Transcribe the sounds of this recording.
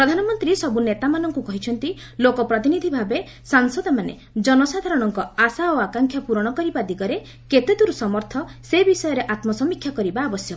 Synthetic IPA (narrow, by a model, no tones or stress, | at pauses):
pɾɔd̪ʱanɔmɔnt̪ɾisɔbunet̪amanɔŋkukɔɦit͡ʃʰɔnt̪i | lokɔpɾɔt̪inid̪ʱibʱabe | saŋsɔd̪ɔmanḛ | d͡ʒɔnɔsad̪ʱaɾɔɽ̃ɔŋkɔasaoakaŋkʰjapuɾɔɽ̃ɔkɔɾibad̪iɡɔɾe | ket̪ed̪uɾusɔmɔɾt̪ʰɔsebisɔjɔɾeʔat̪mɔsɔmikʰːjakɔɾibaːbɔsjɔ